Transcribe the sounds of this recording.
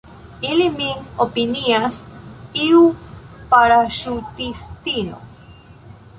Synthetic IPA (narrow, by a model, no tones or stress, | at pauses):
ilimiŋopiniasiupaɾaʃut̪ist̪ino̰